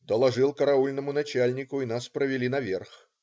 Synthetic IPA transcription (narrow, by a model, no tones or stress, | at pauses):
d̪ɐlˠaʐɨlˠkɐɾaulʲnɐmʊnat͡ɕalʲnʲikʊin̪aspɾɐvʲilʲinɐvʲɛrx